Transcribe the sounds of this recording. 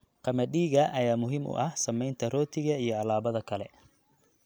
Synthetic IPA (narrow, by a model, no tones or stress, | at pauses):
qɑmɐɗiːɣɐʔɐjaːmʊɦiːmʊ̰ʔɐhsɐmɛjnt̪ʰɐrɔːt̪ʰɪɣɐijɞɐlaːβɐðɐkʰɐlɛ